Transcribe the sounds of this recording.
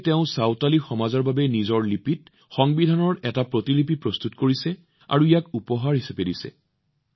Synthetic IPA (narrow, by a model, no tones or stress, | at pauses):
tɛʊ̃sawtalixɔmazɔɹbabɛnizɔɹlipit̚ | xɔŋbidʱanɔɹɛtapɹotilipipɹɔst̪utkoɹisɛ | a̰ɹuijakupɔɦaɹɦisapedisɛ̰